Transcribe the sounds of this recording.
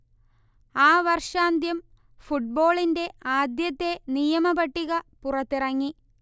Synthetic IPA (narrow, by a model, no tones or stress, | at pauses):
aːʋɐrʂaːnd̪ʱjɐm | fuʈ̚bo̞ːɭinde̞aːd̪jɐt̪ːe̞nijɐmɐbɐʈːiɣɐpurɐt̪ːirɐŋːi